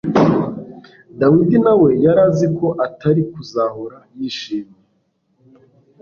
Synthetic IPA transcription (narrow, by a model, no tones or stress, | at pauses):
dawidinawe̞jaɾaːziko̞ʔataɾikuzahoɾajiːʃiːmje